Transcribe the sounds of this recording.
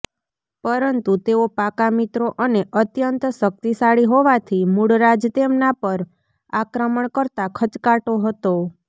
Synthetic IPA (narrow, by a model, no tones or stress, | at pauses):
pəɾənt̪ut̪eopakamit̪ɾoʔəneʔət̪jənt̪ʃək̚t̪isaɭiɦoʋat̪ʰimuɽɾad͡ʒt̪emnapəɾ | akɾəməɳkəɾt̪akʰət͡ʃkaʈoɦət̪o